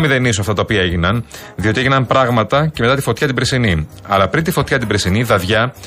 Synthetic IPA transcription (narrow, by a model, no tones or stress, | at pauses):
miðenisoɐft̪ɐt̪ɐopiɐe̞ʝinɐn | ðio̞t̪ieʝinɐmpɾɐɣmɐt̪ɐceme̞t̪ɐt̪ifot̪çɐt̪ibɾesini | ɐ̰lɐpɾint̪ifo̞t̪çɐt̪ibɾesiniðɐðʝɐ